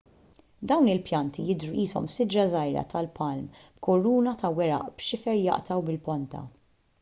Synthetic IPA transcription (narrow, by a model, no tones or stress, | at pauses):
d̪ɐwnɪlpjɐnt̪ijɪd̪ɾuʔiːsɔmsɪd͡ʒɾɐzɐjɾɐ̰t̪ɐlpʰɐlmb̥kʰɔɾuːnɐt̪ɐwɛɾɐ̰ʔb̥ʃɪfɛɾjɐ̰ʔt̪ɐwbɪlpɔnt̪ʰɐ̰